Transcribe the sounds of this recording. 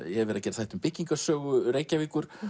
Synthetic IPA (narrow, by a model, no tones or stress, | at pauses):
jɛɛvɛɾacɛɾθajht̪ʏmpɪcːiŋkḁsœːɣʏɾreːjcavɪkʏɾ̥